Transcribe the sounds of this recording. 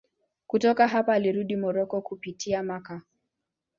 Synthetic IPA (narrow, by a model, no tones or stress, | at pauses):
kutɔkaɦapaːliɾuɗimɔɾɔkɔkupitʰiamaka